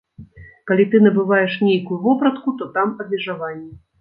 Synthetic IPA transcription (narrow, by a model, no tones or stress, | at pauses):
kalʲit̪ɨnɐbɨvajɛʂnʲejkujuvɔpɾɐt̪kut̪ɔt̪amɐbʲmʲɛʐavanʲːɛ